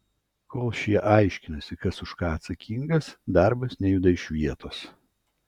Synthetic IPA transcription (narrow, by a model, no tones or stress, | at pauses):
koːlˠʃʲiɛʔɐˑɪʃʲkʲɪnɐsʲɪkɐsʊʃkɑːɐt̪sɐkʲiŋɡɐsd̪ɑˑɾbɐsnʲɛjuːd̪ɐɪʃʲʋʲiɛt̪oːs